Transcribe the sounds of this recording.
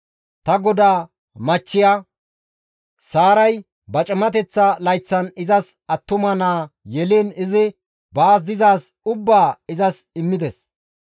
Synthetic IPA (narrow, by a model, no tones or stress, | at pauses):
t̪ɐɡɔd̪aː | mɐt͡ʃːɪjaː | saːɾɐj | bɐt͡ʃʼɛmɐt̪ɛt͡sːɐlɐjt͡sːɐnɪzɐs | ɐt̪ːʊmɐnaːjɛleːnɪzɪ | baːs̬d̪ɪzaːs | ʊbːaːɪzɐsɪmːɪd̪ɛs